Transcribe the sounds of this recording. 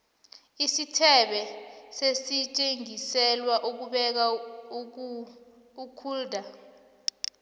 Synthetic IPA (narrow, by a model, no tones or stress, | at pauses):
isitʰɛɓɛsesit͡ʃʼeŋisɛlwaʔuk̬uɓɛk̬a | ukʰuːldʱa